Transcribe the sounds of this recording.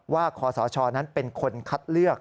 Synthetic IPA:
waː˥˩kʰɔː˩˦sɔː˩˦t͡ɕʰɔː˧na˦˥npe˧nkʰo˧nkʰa˦˥t̪̚lɯ˥˩ək̚

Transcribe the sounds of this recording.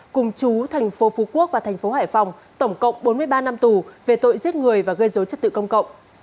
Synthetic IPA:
kʊ˨˩ŋ͡mt͡ɕu˨˦t̪ʰɛ˨˩jŋ̟fo˨˦fu˨˦ku˦˥ək̚vaː˨˩t̪ʰɛ˨˩ŋ̟fo˨˦haː˧˩jfa˨˩wŋ͡m | t̪ə˧˩wŋ͡mkə̰˧˨wŋ͡mɓo˨˦nmɨ˧əjɓaː˧na˧mt̪u˨˩ve˨˩t̪o̰˧˨jzi˦˥ət̚ŋɨ˨˩əjvaː˨˩ɣə˧jzo˨˦jt͡ɕə˦˥t̪ɨ̰˧˨kə˧wŋ͡mkə̰˧˨wŋ͡m

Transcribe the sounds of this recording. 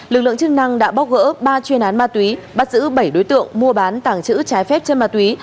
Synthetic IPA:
lɨ˨˩k̚lɨ̰˧˨əŋt͡ɕɨ˧ŋna˧ŋɗa̰ː˧˥ɓa˦˥w̚ɣə̰ː˧˥ɓaː˧t͡ɕwi˧ənʔaː˨˦nmaː˧t̪wi˨˦ | ɓa˦˥t̚zɨ̰˧˥ɓə˧˩jɗo˨˦jt̪ɨ̰˧˨əŋmu˧əɓaː˨˦nt̪aː˧˩ŋt͡ɕɨ̰˧˥t͡ɕaː˨˦jfɛ˦˥p̚t͡ɕe˧nmaː˧˩t̪wi˨˦

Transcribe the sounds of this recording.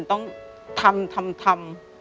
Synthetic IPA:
nt̪ɔ˥˩ŋ | t̪ʰa˧mt̪ʰa˧mt̪ʰa˧m

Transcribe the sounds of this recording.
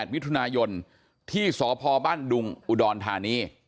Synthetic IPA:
t̪̚mi˦˥t̪ʰu˧naː˧jo˧n | t̪ʰiː˥˩sɔː˩˦pʰɔː˧baː˥˩ndu˧ŋʔu˨˩dɔː˧nt̪ʰaː˧niː˧˥˩

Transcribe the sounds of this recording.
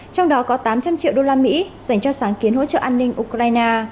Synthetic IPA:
t͡ɕɔ˧wŋ͡mɗɔ˨˦kɔ˨˦t̪aː˨˦mt͡ɕa˧mt͡ɕḭ˧˨wɗo˧laː˧mḭ˧˥z̥a˧˩jŋ̟t͡ɕɔ˧saː˨˦ŋki˨˦ənɦo̰˧˥t͡ɕə̰ː˧˨ʔaː˧nːï˧ŋ̟ʔu˧kɾaː˧jnaː˧

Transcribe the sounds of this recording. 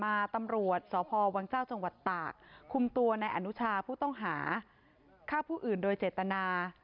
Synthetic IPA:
maː˧t̪a˧mɾu˨˩ət̪̚sɔː˩˦pʰɔː˧wa˧ŋt͡ɕaː˥˩wt͡ɕa˧ŋwa˨˩t̪ːaː˨˩k̚kʰːu˧mt̪u˧ɐna˧jʔa˧nu˦˥t͡ɕʰaː˧pʰuː˥˩t̪ɔ˥˩ŋɦaː˩˦ | kʰaː˥˩wpʰuː˥˩ʔɯː˨˩ndoː˧jt͡ɕeː˨˩t̪ːa˧naː˧

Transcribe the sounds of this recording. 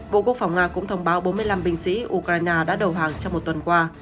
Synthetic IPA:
ɓo̰˧˨kwək̚fa˨˧˩wŋ͡mŋaː˧kʊ̰˧˥ŋ͡mt̪ʰə˧wŋ͡mɓaː˨˦wɓo˨˦mɨ˧əjla˧mɓï˧ŋ̟sḭ˧˥ʔu˧kɾaː˧jnaː˧ɗa̰ː˧˥ɗə˨˩wɦaː˨˩ŋt͡ɕɔ˧wŋ͡mmo˨˩t̚t̪wə˨˩nkwaː˧

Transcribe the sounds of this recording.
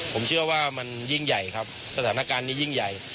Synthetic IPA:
pʰo˩˦mt͡ɕʰɯ˥˩ɐwaː˥˩ma˧nji˥˩ŋja˨˩jkʰa˦˥p̚ | sa˧t̪ʰaː˩˦na˧˩kaː˧nːiː˥˩ji˥˩ŋja˨˩j

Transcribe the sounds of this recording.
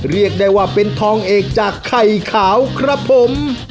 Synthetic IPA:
ɾi˥˩ək̚daː˥˧˩jwaː˥˩pe˧nt̪ʰɔː˧ŋʔeː˨˩k̚t͡ɕaː˨˩kʰːa˨˩jkʰaː˩˦wkʰɾa˦˥pʰːo˩˦m

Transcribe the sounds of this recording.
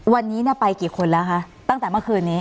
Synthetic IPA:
wa˧nːiː˦˥ni˥˩pa˧jkiː˨˩kʰo˧nlɛː˦˥wkʰa˦˥ʔ | t̪a˥˩ŋt̪ɛː˨˩mɯ˥˩kʰɯː˧nːiː˦˥

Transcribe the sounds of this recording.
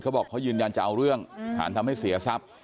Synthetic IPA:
kʰwbɔː˨˩kʰːjɯː˧nja˧nt͡ɕa˨˩ʔa˧wɾɯ˥˩əŋt̪ʰa̰ː˩˦nt̪ʰa˧mha˥˩jsi˨˩˦ɐsa˦˥p̚

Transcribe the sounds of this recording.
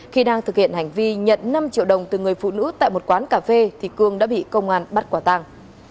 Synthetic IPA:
xi˧ɗaː˧ŋt̪ɨ˨˩k̚hḭ˧˨ənha˨˩jŋ̟vi˧ɲə̰˧˨nna˧mt͡ɕḭ˧˨əwɗə˨˩wŋ͡mt̪ɨ˨˩ŋɨ˨˩əjfṵ˧˨nɨ̰˧˥t̪a̰ː˧˨jmo˨˩t̚kwaː˨˦nkaː˧˩fe˧t̪ʰi˨˩kɨ˧əŋɗa̰ː˧˥ɓḭ˧˨kə˧wŋ͡mʔaː˧nɓa˦˥t̚kwaː˧˩t̪a˧ŋ

